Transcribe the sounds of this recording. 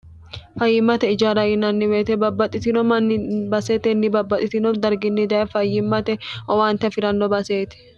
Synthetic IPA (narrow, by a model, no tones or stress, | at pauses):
fɐjːɪmːɐt̪ɛɪd͡ʒaːɾɐjɪnɐnːɪweːt̪ɛbɐbːɐt̪ʼɪt̪ɪnɔmɐnːbɐset̪ɛnːɪbɐbːɐt̪ʼɪt̪ɪnɔd̪ɐɾɡɪnːɪd̪ɐɛfɐjːɪmːɐt̪ɛʔɔwaːnt̪ɐfɪɾɐnːɔbɐseːt̪ɛ̥